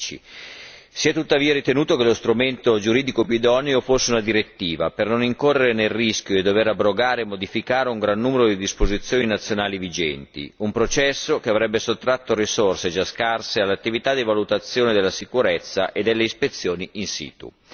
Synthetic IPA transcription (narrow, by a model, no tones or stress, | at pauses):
t͡ʃḭ | siɛt̪ut̪ːaviːaɾit̪enuːt̪okelost̪ɾument̪od͡ʒuɾiːd̪ikopiud̪ɔneofosːeunad̪iɾet̪ːiːvapernoniŋkorːeɾenelːisk̟joed̪ːoveɾabɾoɡaːɾeːmːod̪ifikaːɾeuŋɡɾanːuːmeɾod̪id̪ispozit̪sːjoːninat̪sːjonaːlivid͡ʒɛnt̪ḭumpɾot͡ʃɛsːokeavɾɛbːesot̪ːɾat̪ːoɾisorsed͡ʒaskarsealːat̪ːivit̪ad̪ivalut̪at̪sːjoːned̪elːasikuɾɛt̪sːa̰ʔed̪elːeispet̪sːjoːniinsḭːt̪ṵ